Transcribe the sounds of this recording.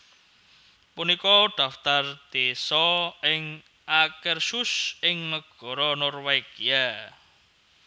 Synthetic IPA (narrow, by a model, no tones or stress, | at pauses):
punikɔɖ̪̥ä̤ft̪ard̪̥esɔɪŋ | ʔakərsʊsɪŋnəɡ̥ɔ̤ɾɔnɔrweɡ̥ia